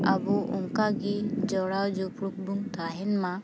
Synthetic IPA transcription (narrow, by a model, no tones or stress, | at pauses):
abuʔuŋkaɡid͡ʒɔɽawd͡ʒupɾuk̚bumt̪aɦɛnma